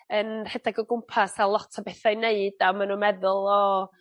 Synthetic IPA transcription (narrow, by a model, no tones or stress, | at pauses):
ənrɛdaɡɔɡʊmpʰasalˠɔtʰabeθajneɨd̥amanunmɛðʊlˠɔ